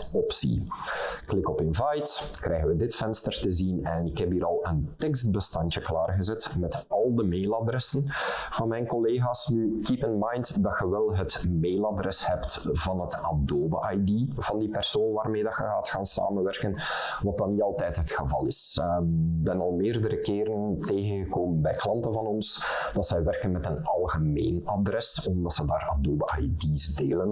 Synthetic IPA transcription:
ɔpsḭklɪkɔpɪnvajtkɾɛjɣənʋədɪtfɛnstərtəzinɛnɪkɦɛpiːɾɑlˠəntɛkst̚bəstɑntjəklaːrɣəzɛtmɛtɑlˠdəmeːladrɛsənv̥ɑnmɛjnkɔleːɣaːsnykipənmɑjntdɑtxəʋɛlˠɦətmeːladrɛshɛptvɑnɦətɑb̚doːbə̰ʔɑjdiv̥ɑndipɛrsoːnʋaːrmeːdɑxəɦaːtxaːnsa̰ːmənʋɛrkən | ʋɑt̚dɑnːiɑlˠtɛjtɦətxəvɑ̰lˠɪs | bɛnɑlˠmɪːrdəɾəkɪːɾənteːɣənɣəkoːmənbɛjklɑntənvɑnɔns | d̥ɑtsɛjʋɛrkənmɛtənɑlˠɣəmḛːnɑdrɛs | ɔmdɑtsədaːradoːbəʔa̰jdizdeːlən

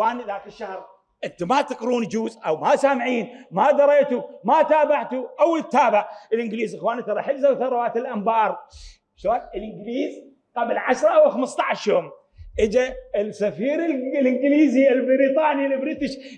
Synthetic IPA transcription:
xwaːniðaːkɪʃːahɾ | ʔɪnt̪amat̪ɑqɾuːnd͡ʒuːzʔawmasaːmʕiːnmad̪ɑɾˤeːt̪umat̪aːbaʕt̪uʔawlt̪ːaːbɪʕʔɪlʔɪnɡliːzʔɪxwaːnit̪ɑɾˤɑħɪlzawθɑɾˤɑwaːt̪ɪlʔambɑːɾˤ | ʃoːnɪlʔɪnɡliːz | qablʕaʃɾˤɑʔawxaməst̪ˤɑʕaʃjoːm | ʔəd͡ʒaɪsafiːɾɪllʔɪnɡliːziɪlbɪɾiːt̪ˤɑːnilbɾit̪iʃ

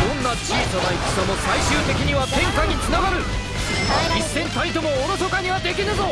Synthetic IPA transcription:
d̪̥õ̞nːat͡ɕiːsad̪aiki̥zano̞saiɕɨːt̪e̞kʲiɲ̟iβat̪ẽ̞ŋkaɲ̟it͡sɨnaɡaɾɯ̟ | isːẽ̞nt̪aĩt̪o̞moːɾosokaɲ̟iβad̪e̞kʲinɯzo̞

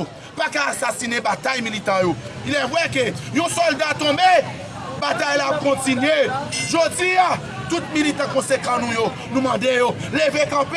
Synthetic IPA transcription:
ũ | pakaːsasinebat̪ajmilit̪ãjoilɛwɛkøjũsɔldat̪ɔ̃be | bat̪ajlap̚kɔ̃tinɥeʒod͡zia | t̪ut̪̚milit̪ɑ̃kɔ̃sekɑ̃nũjo | nũmɑ̃dejo | levekãp

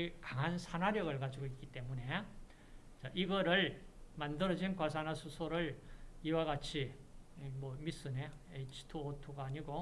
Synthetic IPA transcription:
ikaŋɦansʰanaɾjʌɡɯɭkad͡ʑiɡoik͈it͈e̞mune̞ | t͡ɕaʔiɡʌɾɯɭmandɯɾʌd͡ʑinkwas̬ʰanasʰusʰoɾɯɭiwaɡat͡ɕʰi | mʌmis͈ɯne | et͡ɕʰi̥tʰuotʰuɡaːɲiɡo

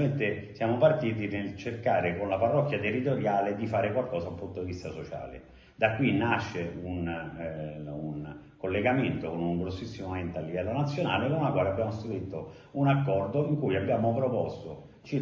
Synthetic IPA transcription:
ment̪esjaːmopart̪iːt̪inelt͡ʃerkaːɾekonlaparːɔkːjat̪erːit̪oɾjaːled̪ifaːɾekwalkɔːszaulpːunt̪od̪ivist̪asot͡ʃa̰ːlḛ | d̪akːwinːaʃːeun | un | kolːeɡament̪okonuŋɡɾosːisːimoment̪ealːivɛlːonat̪sːjona̰ːlekonlakwaːleabːjaːmost̪ɾuɾit̪ːo | unakːɔrd̪oiŋkujabːjaːmopɾopɔst̪o | t͡ʃi

